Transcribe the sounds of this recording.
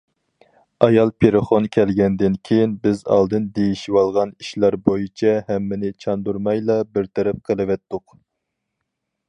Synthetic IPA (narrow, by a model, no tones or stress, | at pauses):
ɑjɑlˠpʰeɾɨχonkʲʰɛlɡʲɛnd̪ɪnkʲʰejinbɪzɑ̰lˠd̪ɨnd̪ejiʃiwɑlˠʁɑniʃlæɾbojit͡ʃʰɛhɛmːɪnɪt͡ʃʰɑnd̪uɾmɑjlˠɑbɪɾt̪ʰɛɾɛp̚qʰəlˠɨwɛt̪ːʊq